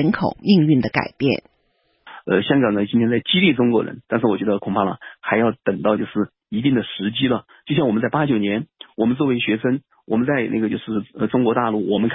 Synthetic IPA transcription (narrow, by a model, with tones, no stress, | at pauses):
nkʰo˨˩ʊmi˥˧ŋy˥˩nd̪ə˩ka̰˨˩ɪpjɛ̰˥˩n | ə̰˧ɕjɑ˥ŋɡɑ˨˩ŋnə˦˩t͡ɕi˥nt̪ʰjɛ˥t͡sa˥˩ɪt͡ɕi˥li˥˩ʈ͡ʂʊ˥ŋkwɔ˧˥ɻə̰˧˥nt̪a˥˧nʂ̬ɻ̩˥˩wɔ˨˩t͡ɕɥɛ˧˥d̪ə˧kʰʊ˨˩ŋpʰa˥˩lə̰˩xa˧˥ɪjɑ˥˩ʊt̪ə˨˩ŋt̪ɑ˥˧ʊt͡ɕjo˥˧ʊʂɻ̩˥˩ | i˧˥t̪̬i˥˩ŋd̪ə˩ʂɻ̩˧˥t͡ɕi˥lə˨t͡ɕjʊɕjɑ˥˩wɔ˨˩m˦t͡sa˥˩ɪpa˥t͡ɕjo˨˩ʊnjɛ˧˥nwɔ˨˩mə˦nt͡s̬wɔ˥˩we˧ɪɕɥɛ˧˥ʂə˥n | wɔ˨˩mə˦nt͡sa˥˧ɪnʔa˥˩ɡə˩t͡ɕjo˥˧ʂɻ̩˥˩ə˧ʈ͡ʂʊ˥ŋkwɔ˧˥t̪a˥˧lu˥˩wɔ˨˩mə˦˥ŋkʰ